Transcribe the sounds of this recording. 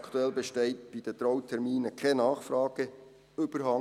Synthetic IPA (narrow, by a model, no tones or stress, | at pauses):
kʰt̪uɛlbeʃtɛɪt̚b̥id̥̪ət̪rɔwtʰɛɾmiːnəkʰɛnɑːχfrɑːɡ̥ə | ʏbəɾhɑ